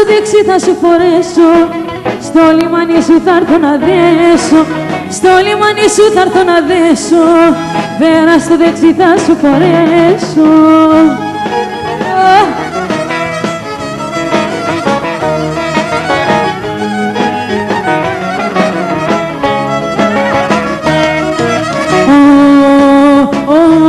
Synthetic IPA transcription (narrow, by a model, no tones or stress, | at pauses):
oðeksiθɐsufo̞ɾeso | st̪olimɐnisuθɐɾθonɐðesost̪olimɐnisuθɐɾθonɐðeso | ðeɾɐst̪oðeksiθɐsufoɾeso | o